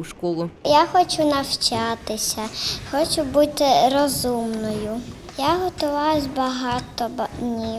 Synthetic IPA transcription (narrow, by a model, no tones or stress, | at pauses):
ʃkɔlˠʊjaxɔt͡ʃʊnɐwt͡ʃɑt̪ɪsʲɐxɔt͡ʃʊbut̪ɪrɔzumnɔjʊ | jaɦɔt̪ʊʋɑwʊzʲbɐɦɑt̪ɔbɐdnʲi